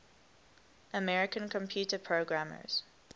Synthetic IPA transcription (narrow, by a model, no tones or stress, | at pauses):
ʔəmɛɹɪkə̃nkʰɔ̃mpʰj̥uːˑtəpʰɹoɡɹamə̰z̥